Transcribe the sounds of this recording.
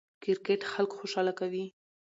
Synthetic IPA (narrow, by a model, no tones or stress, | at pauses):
kɪɾkeʈxalkxoʃɑlakawi